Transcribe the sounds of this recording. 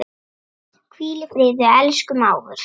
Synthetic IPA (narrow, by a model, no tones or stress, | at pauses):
kʰviːlɪfɾɪːðɪɛlskʏmaːwvʏ̰ɾ̥